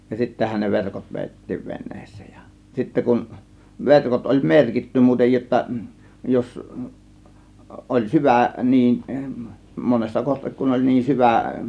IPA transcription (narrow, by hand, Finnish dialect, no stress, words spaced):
jɑ sitːæhæn ne ʋerkot ʋeˑitːiːʋ ʋe̞nˑe̥ːsˑe̥ːj̊ j̊ɑ̥ sitːæ kun ʋerkot olʲ merkitːy muːtej jotːɑ jos ʔolʲ syʋæ niːn monesːɑ kohtik kun olʲ niːn syʋæˑ